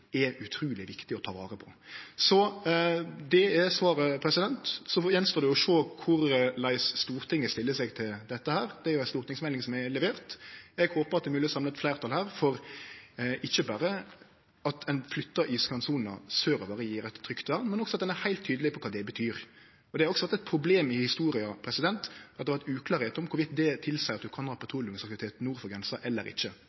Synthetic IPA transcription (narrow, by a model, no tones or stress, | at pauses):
ɛʉt̪ʰɾuːlɪʋɪkt̪ɪɔt̪ʰɑːʋɑ̰ːɾəpʰɔ̥sɔ | d̪ɛɛsʋɑːɾəpʰɾɛsɪd̪ɛnt̪sɔjɛnst̪oːd̪ɛjɔʂoːkʰʊɾlæɪsːt̪uːɾt̪ʰɪŋːəst̪ɪlːəsɛɡt̪ʰɪld̪ɛt̪ːəhæːɾd̪ɛæɾjʊæɪst̪uːɾt̪ɪŋsmɛlɪŋsɔmɛlɛʋeːʁt̪ɛɡhoːpəɾɑt̪̚d̪ɛmʉːlɪsɑmlət̪flæɪʁt̪ʰɑlhæːɾfɔɾ | ʔɪçːəbɑːɾə | ɑt̪ʰɛnflʏt̪ːɑʔiskɑnsuːnnɑ̰søːɾɔbɑːɾəjiːɾɛt̪ʰːɾʏkt̪ʋæʁnmɛnɔksɔɑt̪̚d̪ɛnæɾhæɪlt̪ʰːyːd̪əlɪpɔkʰɑːd̪ɛbət̪ʰyːɾ | ɔd̪ɛhɑɾɔksɔʋæɾt̪ɛt̪̚pʰɾʊbleːmɪhɪst̪uːɾɪɑpʰɾɛsɪd̪ɛnt̪ɑt̪d̪ɛʋæʁt̪ʉːkʰlɑːɾheːt̪ɔmkʰʊɾʋɪt̪d̪ɛt̪ʰɪlsæɪɑt̪̚d̪ʉkʰɑnhɑːpʰɛt̪ʰɾuːlʊŋsɑkt̪ɪʋɪt̪ʰeːt̪nuːɾfɔɾɡɾɛnsɑʔɛlːə̰ɾɪ̰çːə